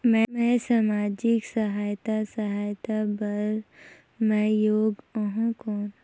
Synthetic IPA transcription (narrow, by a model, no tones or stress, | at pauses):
mɛ̃mɛ̃ːsaːmaːd͡ʒɪksəɦaːjt̪asəɦaːjt̪abəɾ | mɛ̃joːɡoɦũkɔːn